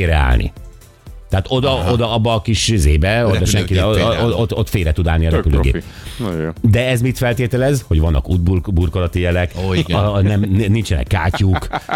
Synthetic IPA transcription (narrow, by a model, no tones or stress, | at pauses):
eːɾɛ̰a̰ːlnḭ | t̪ɛaːt̪o̞d̪ɒod̪ɒɒbːɒːkiʃzeːbɛod̪ɒʃɛŋkid̪ɛoot̪ot̪feːɾɛt̪ud̪aːlniɒɾɛpylø̰ːɡḛː | d̪ɛɛzmit̪fɛlt̪eːt̪ɛlɛzho̞ɟʋɒnːɒ̰kud̪̚bburkolɒt̪ijɛlɛk | nɛmnnint͡ʃɛnɛ̰kːa̰ːcuːk